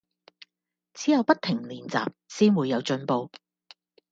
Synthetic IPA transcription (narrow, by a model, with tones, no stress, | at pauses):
t͡sʰiː˨˥jɐ˨˧wpɐ˥t̚t̪ʰɪ˨˩ŋliː˨nt͡sa̰ː˨p̚siː˥nwuː˨˧jːɐ˨˧wt͡ʃɵ˧npo˧w